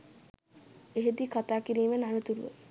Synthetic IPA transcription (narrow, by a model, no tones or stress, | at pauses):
eɦed̪ikat̪aːkiɾiːmənanət̪uɾuʋə̰